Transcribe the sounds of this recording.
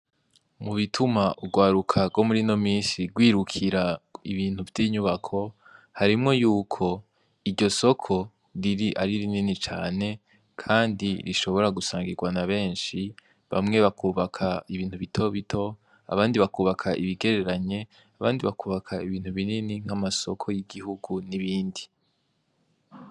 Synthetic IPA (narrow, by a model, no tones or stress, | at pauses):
muβitʰumaʔuɡwaːɾukʰaɡo̞muɾino̞miːnsiɡwiːɾukʰiɾaiβiːn̥huvjiːɲuβakʰo̞ | haɾimŋo̞juːkʰo̞ | iɟo̞so̞kʰo̞ | ɾiɾiʔaɾiɾininit͡ʃaːne̞ | kʰaːndiɾḭʃo̞βo̞ɾaɡusaːŋɡiɡwanaβe̞ːnʃi | βa̰mŋe̞βakʰuːβakʰaiβiːn̥huβitʰo̞βitʰo̞ | a̰βaːndiβakuːβakʰaʔiβiɡe̞ɾe̞ɾaɲe̞ | aβaːndiβakuːβakʰaiβiːn̥uβininiŋ̥hamaso̞kʰo̞jiɡiɦuɡuniβiːndi